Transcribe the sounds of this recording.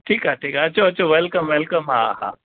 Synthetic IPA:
ʈʰiːkɦaʈʰiːkɦat͡ʃoɐt͡ʃoʋɛlkəmʋelkəmɦa̰ha̰

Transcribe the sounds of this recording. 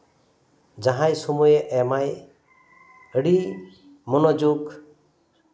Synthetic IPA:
d͡ʒaɦãjsɔmujeʔɛmaj | əɽi | munɔd͡ʒuɡ

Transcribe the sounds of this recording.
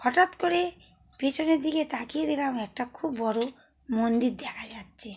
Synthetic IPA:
ɔʈat̪kɔɾe | pit͡ʃʰɔned̪ʱiket̪akied̪ʱilamɾɛk̚ʈakʰubːɔɾu | mond̪iɾd̪ɛkʰad͡ʒat̪̚t͡ʃʰi

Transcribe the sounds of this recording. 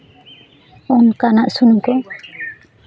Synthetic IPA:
ɔnkanaʔsunukɔ

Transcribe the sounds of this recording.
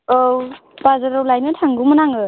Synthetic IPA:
owb̥azaɾowlajnɯtʰaŋɡumɯnaŋɯ

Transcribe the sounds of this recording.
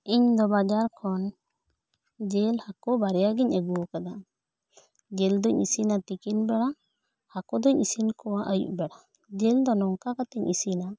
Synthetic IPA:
iɲd̪ɔbad͡ʒaɾkʰɔn | d͡ʒelhakɔbaɾɛjaɡiɲɛɡuɔkad̪a | d͡ʒeld̪ɔɲḭsinat̪ikinbɛɽa | hakɔd̪ɔɲisinkʰɔwaʔajṵʔbɛɽa | d͡ʒeld̪ɔnɔŋkakat̪ɛɲʔisina

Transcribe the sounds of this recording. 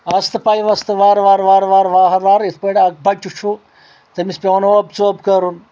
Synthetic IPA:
ɐst̪ʰɨpajʋɐst̪ɨʋaːɾʋaːɾʋaːɾʋaːɾʋaːɦɐʋaːɾit̪ʰpɐʈaɐk̚bɐt͡ʃʲːut͡ʃʰu | t̪ɐmispʲeʋnobt͡soːbkɐɾun

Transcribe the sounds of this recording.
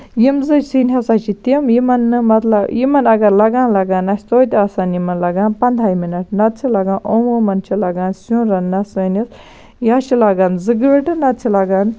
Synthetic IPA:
jimzɨsinʲɦɐsaːt͡ʃʰit̪imjimɐnːɨmɐt̪lɐbjimɐnɐɡɐɾlɐɡaːnlɐɡaːnɐsʲt̪oːt̪ʲaːsaːnjimɐnlɐɡaːnpɐnd̪ʱaːjminɐʈ̚nɐt̪̚t͡sʰt͡ʃʰilɐɡãːnʔomoːmɐnt͡ʃʰilɐɡaːnsunɾɐnːɐsəːnis | jat͡ʃilɐɡaːnzɨɡʋiʈɨnɐt̪̚t͡sʰilɐɡaːn

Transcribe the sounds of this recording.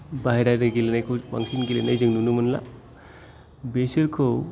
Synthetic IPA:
baɦeɾajɾaɡilenajkʰowba̰ŋsinɡilenajzɯŋnunumɐnla̰ | beseɾkʰow

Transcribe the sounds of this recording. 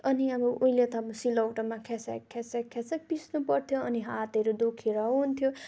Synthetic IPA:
ʌniʌbʌʔuilet̪ʌbsilʌwʈʌmakʰesḛkʰːesekʰːesek̚pisnupʌɾt̪ʰjoʌniɦat̪ʌɾud̪ukʰiɾʌɦunt̪ʰjo

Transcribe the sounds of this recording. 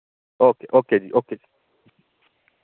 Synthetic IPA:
okeʔokediʔoked͡ʒi

